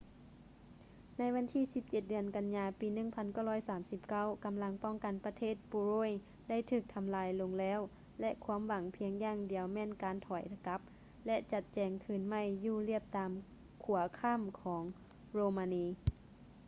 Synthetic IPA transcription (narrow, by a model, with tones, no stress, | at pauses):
na˧˥jwʋa˧˥nt̪ʰiː˧˥˨si˧˦p̚t͡ɕe˧t̪̚dɯ˨˧ənka˧nɲaː˧piː˨˧nɯ˧˩˨ŋpʰa˧˥nka˧˩whɔː˧˥˨jsaː˨˦msi˧˦p̚ka˧˥˩wka˨mla˧˥ŋpɔ˥˩ŋka˨npa˧t̪ʰeː˧˥˩t̪̚buː˧ɾoː˧˥˨j | da˥˨jt̪ʰɯː˧˩k̚t̪ʰa˧mlaː˧jlo˧ŋlɛː˧˥˨w | lɛ˧ʔkʰuː˧˥ə˨mʋa˨˦ŋpʰi˧əŋjaː˧˨ŋdi˨˩əwmɛː˧˥˨nkaː˨˦nt̪ʰɔː˨˩˦jt̪ʰa˧ka˧˦˥p̚ | lɛ˧ʔt͡ɕa˧t̪̚t͡ɕɛː˧˩ŋkʰɯː˧˩nma˧˥˩jːuː˧˩li˧˥˩əp̚t̪aː˨m | kʰu˨˩˦ɐkʰa˧˥˨mkʰɔː˩˦ŋ | ɾoː˧maː˧niː˧